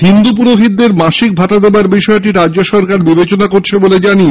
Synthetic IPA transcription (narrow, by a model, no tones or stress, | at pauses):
ɦind̪up̬uɾoɦid̪ːeɾmaʃik̚bʱaʈ̪ad̪ebaɾbiʃɔeʈiɾad͡ʑd͡ʑoʃɔɾkaɾbibet͡ɕonakoɾt͡ɕʰeboled͡ʑani